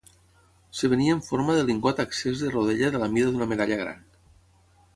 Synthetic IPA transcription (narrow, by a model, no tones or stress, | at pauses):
seβ̞eniaeɱfoɾmaðeliŋɡwat̪aksezðeroð̞eʎaðelamiðəðunəmeðaʎaɣ̞ɾa̰n